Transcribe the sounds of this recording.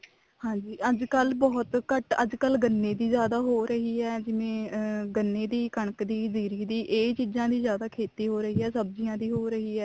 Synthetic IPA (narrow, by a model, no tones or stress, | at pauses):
hãːɲd͡ʒiːʔəd͡ʒkəlbɔːt̪kəʈə̰d͡ʒkəlɡənːeːd̪iːzjaːd̪aːɦoːɾəɦiːɦɛːd͡ʒɪʋẽːɡənːeːd̪iːkəɳəkd̪iːziːɾiːd̪iːʔeːt͡ʃiːd͡ʒãːd̪iːzjaːd̪aːkʰeːt̪iːɦoːɾəɦiːɦɛːsəbzɪjãːd̪iːɦoːɾəɦiːɦɛː